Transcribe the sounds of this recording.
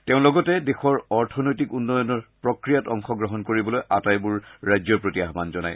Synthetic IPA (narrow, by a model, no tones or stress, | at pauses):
teʊ̃lɔɡɔtɛdexɔɹɔɹtʰɔnojtikunːɔjɔnɔɹpɹɔkɹijatɔŋxɔɡɹɔɦɔnkoɹibɔlojʔa̰tajbuɹːajzɔɹpɹotiaɦmanzɔna̰j